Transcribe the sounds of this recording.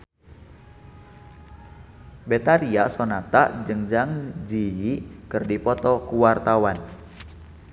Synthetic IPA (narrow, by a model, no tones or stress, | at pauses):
bɛt̪aɾiasɔnat̪a̰ʔd͡ʒɨŋd͡ʒaŋd͡ʒijikɨrdipɔt̪ɔkuwart̪awan